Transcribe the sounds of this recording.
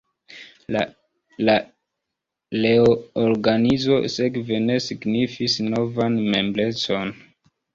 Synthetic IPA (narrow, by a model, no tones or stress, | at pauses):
la | la | leooɾɡanizo̞̰sekve̞ne̞siɡnifisno̞vanme̞mble̞t͡so̞n